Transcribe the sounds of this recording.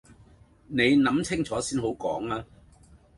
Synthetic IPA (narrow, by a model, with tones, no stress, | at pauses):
ne˨˧jnɐ˨˥mt͡sʰɪ˥ŋt͡sʰɔː˨˥siː˥nhɦo˨˥wkɔ̰ː˨˥ŋaː˧